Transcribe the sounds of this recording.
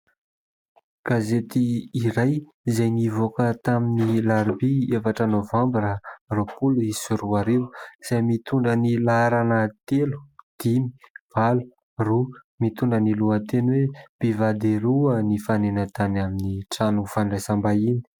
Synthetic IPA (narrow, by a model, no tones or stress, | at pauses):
ɡ̥azet̪iːɾaj | izajnivokət̪aminilaɾibiefaʈ͡ʂənovãmbiɾaropuluisuruaɾiwz̥ajmit̪uɳɖ͡ʐənilaaɾanət̪elu̥d̪̥imi̥v̥alu̥ | ru | mit̪uɳɖ͡ʐəniluət̪enweb̥ivad̪eɾuənifanenət̪anaminiʈ͡ʂanufaɳɖ͡ʐajsambaini̥